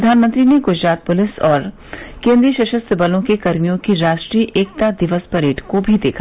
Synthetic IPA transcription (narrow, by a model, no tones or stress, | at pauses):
d̪ʱaːnmə̃nt̪ɾineɡʊd͡ʒɾaːt̪̚pʊlɪsɔːɾ | kẽːnd̪ɾiəʃɐʃəst̪ʰəbɐlõkekɐɾmijõkiɾaːʃʈɾiːʔeːk̚t̪ad̪ɪʋəspɐɾeːʈʰkobʱid̪ḛːkʰa